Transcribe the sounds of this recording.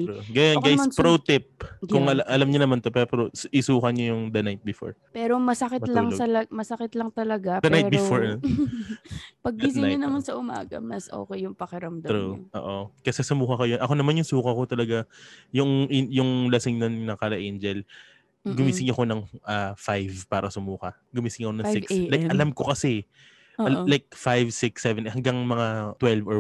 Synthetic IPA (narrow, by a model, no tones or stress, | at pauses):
ɡajanɡajspɾɾot̪ɪp̚kkʊŋɐlʔɐlamɲɐnɐmant̪opɛːɾopɾosʔɪsuːkɐɲojʊŋd̪ɐnajt̪̚bɪfo̰ɹpɛːɾomɐsɐkɪlɐŋɐlɐmɐsɐkɪt̪lɐŋt̪ɐlɐɡad̪ɐnp̪ajt̚ːbɪfoɹno | pɐɡ̚bisɪjʊnɐmansɐʔʊma̰ːɡɐ̰mɐsʔo̰ːkɛjːʊŋpɐkɪɾɐmd̪aɾuʔo̰ːʔokɐsɛsʊmuːkɐkojonʔɐko̞nɐmanjʊŋsuːkɐko̞t̪ɐlɐɡajʊŋɪjʊŋlɐsɪŋnonnɐkalɐʔend͡ʒɛl | ɡʊmiːsɪŋɐko̞nɐŋʔafajvpaːɾɐsʊmuːkɐ | ɡʊmiːsɪŋɐkonɐsɪkslajkɐlamkokɐsɛ | ʔolajk̚fajvsɪksɛvɛnhɐŋɡaŋmɐŋat̪wɛlvo